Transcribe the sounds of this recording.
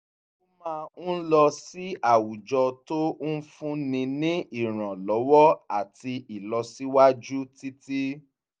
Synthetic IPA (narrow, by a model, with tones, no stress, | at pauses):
mãː˦˧n̩˦lɔ˧si˦a˦˨wu˨d͡ʒɔ˧to˦n̩˦fũ˦nĩ˧nĩ˦i˦˨ɾ̃ã˨lɔ˨˦wɔ˦a˦˨ti˧i˨lɔ˧si˦wa˦d͡ʒu˦ti˦ti˦